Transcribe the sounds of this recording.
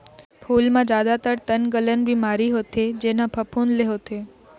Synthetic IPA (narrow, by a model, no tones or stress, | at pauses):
pʰulmãd͡ʒad̪at̪əɾt̪ənɡələnbʱimaɾiɦot̪ʰed͡ʒenãpʰəpʰunleɦot̪ʰe